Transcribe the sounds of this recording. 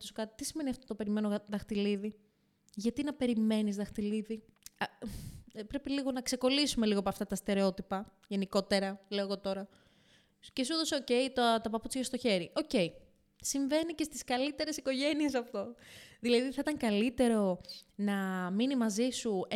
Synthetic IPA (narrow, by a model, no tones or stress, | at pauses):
t̪osokɐt̪i̥t̪isime̞niɐft̪o̞t̪ope̞ɾime̞noðɐxt̪iliði | ʝɐt̪inɐpe̞ɾime̞nizðɐxt̪iliði | ɐ | pɾe̞piliɣo̞nɐkse̞ko̞lisume̞liɣoepɐft̪ɐt̪ɐst̪e̞ɾeo̞t̪ipɐ | ʝe̞niko̞t̪e̞ɾɐleo̞eɣo̞t̪o̞ɾɐ | cesuðo̞seo̞ce̞it̪ɐt̪ɐpɐput͡sçɐst̪oçe̞ɾio̞ce̞i | siɱve̞nice̞st̪iskɐlit̪e̞ɾe̞siko̞ʝe̞nie̞sɐft̪o̞ðilɐðiθɐit̪ɐŋkɐlit̪e̞ɾo̞nɐminimɐzisu